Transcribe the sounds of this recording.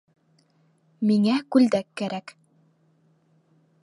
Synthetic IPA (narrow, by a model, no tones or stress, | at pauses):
miŋækʉld̪ækːæɾæk